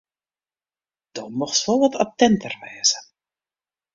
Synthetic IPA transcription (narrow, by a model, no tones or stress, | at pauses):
d̥ɔmɔxsʋɔlˠʋɔtʰatɛntərʋɛːzə